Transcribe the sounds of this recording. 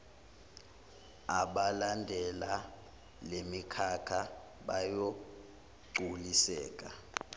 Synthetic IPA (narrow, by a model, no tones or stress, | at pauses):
aɓalandʱɛla | lemikʰakʰa | ɓajo | ɡ͡ǀʱulisɛːk̬ʼa̰